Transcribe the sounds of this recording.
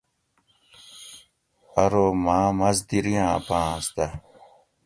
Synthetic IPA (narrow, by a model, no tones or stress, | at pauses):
ɐɾoːmãːmɐzd̪iɾijãːɐ̰pãːɐst̪a